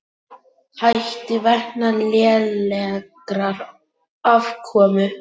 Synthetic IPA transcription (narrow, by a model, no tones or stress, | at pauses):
hajht̪ɪvɛhnalɛːðlɛkɾaɾ | avkʰɔːmʏ